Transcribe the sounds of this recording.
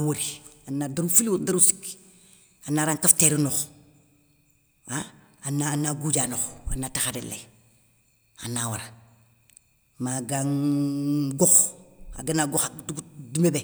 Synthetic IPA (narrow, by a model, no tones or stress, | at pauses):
woɾianadaɾufilwdaɾusi̥k | anaːɾaːŋkafteɾinɔx | a | anaːnaɡuɟanoxa̰nataxadelḛ | a̰nawaɾa | maɡaŋ | ɡɔxa̰ɡanaɡɔxadɡdumebe